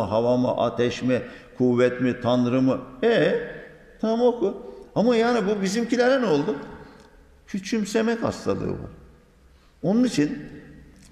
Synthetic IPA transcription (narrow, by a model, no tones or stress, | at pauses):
ɦavamɯ̰ʔa̰t̪ʰɛʃmɛkʰuvːɛt̪mit̪ʰanɾɯmɯɛ | t̪ʰamokuamajaːnibubizimcʰilʲeɾɛno̞lˠd̪u | cʰyt͡ʃʰymse̞mɛcha̰st̪ʰa̰lˠɯ̰ːbṵ | o̞nunit͡ʃʰin